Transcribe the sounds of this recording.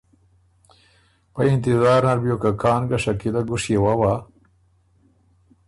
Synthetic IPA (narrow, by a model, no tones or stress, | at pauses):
paɪnt̪ɪzaːɾnaɾbjokakʰɑːnɡaʂakilaɡʊʂjewawa